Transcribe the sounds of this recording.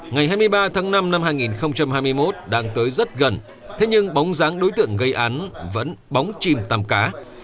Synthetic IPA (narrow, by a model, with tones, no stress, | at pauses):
ŋa˨˩jɦaː˧jmɨ˧əjɓaː˧t̪ʰaː˨˦ŋna˧mna˧mhaː˧jŋi˨˩nxə˧wŋ͡mt͡ɕa˧mhaː˧jmɨ˧əjmo˦˥t̚ɗaː˧ŋt̪əː˨˦jzə˦˥t̚ɣə˨˩n | t̪ʰe˨˦ɲɨ˧ŋɓa˨˦wŋ͡mzaː˨˦ŋɗo˨˦jt̪ɨ̰˧˨əŋɣə˧jʔaː˨˦nvə̰˧˥nɓa˨˦wŋ͡mt͡ɕi˧˩mt̪aː˨˩mkaː˨˦